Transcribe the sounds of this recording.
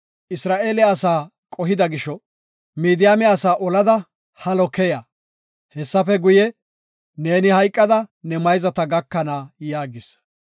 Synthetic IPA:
ʔɪsɾaːʔeːlɛːsaː | kʼɔɦɪd̪ɐɡɪʃɔ | miːd̪ɪjaːmɛɐsaːʔɔlɐd̪ɐ | hɐlɔkɛja | hɛsːɐfɛɡʊjɛ | neːnɪhɐjkʼːɐd̪ɐnɛmɐjzɐt̪ɐɡɐkːɐnaːjaːɡɪs

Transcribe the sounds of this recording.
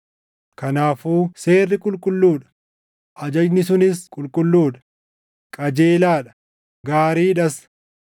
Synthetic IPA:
kɐnaːfuːse̞ːrːɪkʼʊlkʼʊlːuːᶑɐ̥ | ʔɐd͡ʒɐd͡ʒnɪsʊnɪskʼʊlkʼʊlːuːᶑɐ̥ | kʼɐd͡ʒe̞ːlaːᶑɐ̥ | ɡaːɾiːᶑɐs

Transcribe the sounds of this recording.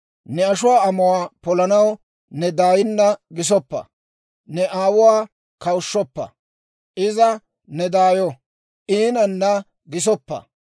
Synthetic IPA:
nɛɐʃʊwaːɐmʊwaːpɔlɐnɐw | nɛd̪aːjɪnːɐɡɪs̬ɔpːɐ̰ | nɛʔaːwʊwaː | kɐwʊʃːɔpːɐ̰ | ʔɪzɐ | nɛd̪aːjɔ | ʔiːnɐnːɐ | ɡɪs̬ɔpːɐ̰

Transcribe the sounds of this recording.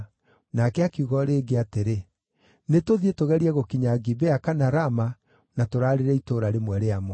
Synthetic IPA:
nakɛakiuɣɔɾeːɡeateɾe | netoðietoɣɛɾiɛɣokiɲaɡibeakanaɾama | natoɾaːɾeɾɛitoːɾaɾemwɛɾeamwɔ

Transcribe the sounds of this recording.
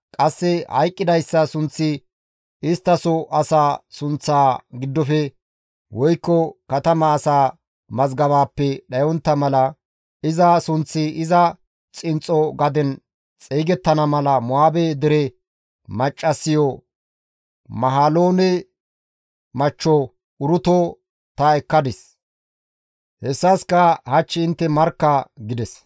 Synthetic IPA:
kʼɐsːɛhɐ̰jkʼːɪd̪ɐjsːɐsʊnt͡sːɪ | ɪst̪ːɐsɔʔɐsaːsʊnt͡sːaːɡɪd̪ːɔfɛ | wɔjkːɔkɐt̪ɐmɐːsaː | mɐzɡɐβaːpːɛɗɐjɔnt̪ːɐmɐlɐ | ɪzɐsʊnt͡sːɪɪzɐ | t͡sʼɪnt͡sʼːɔɡɐd̪ɛn | t͡sʼeːɡɛt̪ːɐnɐmɐlɐmʊaːbed̪ɛɾɛ | mɐt͡ʃʼːɐsːɪjɔ | mɐɦaːloːnɛ | mɐt͡ʃːɔ | ʊɾʊt̪ɔ | t̪ɐɛkːɐd̪ɪs | hɛsːɐskɐhɐt͡ʃːɪɪnt̪ːɛmɐɾkːɐɡɪd̪ɛs

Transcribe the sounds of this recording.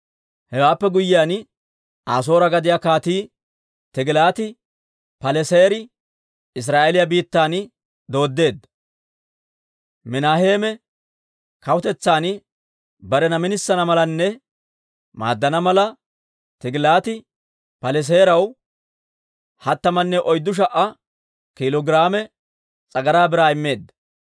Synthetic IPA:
hɛwaːpːɛɡʊjːɪjaːn | aːs̬o̞ːɾɐɡɐd̪ɪjakaːt̪iː | t̪ɪɡlaːt̪ɪ | pɐlɛseːɾɪ | ɪs̬ɾaːʔelɪjɐbiːt̪ːaːnɪ | d̪o̞ːd̪ːe̞ːd̪ɐ | mɪnaːhe̞ːmɛ | kɐwt̪ɛt͡sːaːnɪ | bɐɾɛnɐmɪnɪsːɐnɐmɐlɐnːɛ | ma̰ːd̪ːɐnɐmɐlɐ | t̪ɪɡɪlaːt̪ɪ | pɐlɛs̬eːɾɐw | hɐt̪ːɐmɐnːɛʔɔjd̪ːʊʃ̬ɐʔɐ | kɪlɔɡɪɾaːmɛ | t͡sʼɐɡɐɾaːbɪɾaːɪmːe̞ːd̪ːɐ

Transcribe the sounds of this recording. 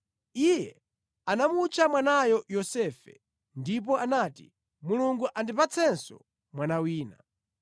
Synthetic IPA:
ijɛ | anamut͡ʃʰamwanajɔjɔsɛːfɛ̰ | ndip̬ɔʔanatḭ | muluŋɡuʔandipat͡sʰɛnsɔ̰ | mwanawiːna

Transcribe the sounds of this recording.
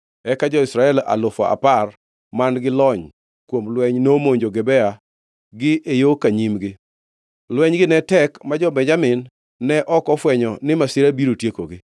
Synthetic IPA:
ɛkad͡ʒɔɪsɾaɛla̰lʊfɔ̰a̰par | manɡɪlɔɲ | kwomlwɛɲnomoɲd͡ʒoɡɛbɛa | ɡɪʔejokaɲimɡɪ | lwɛɲɡɪnɛtɛkmad͡ʒɔbɛɲd͡ʒamɪnː | ɛʔɔkɔfwɛɲɔnɪmasɪɾabiɾotjekoɡɪ

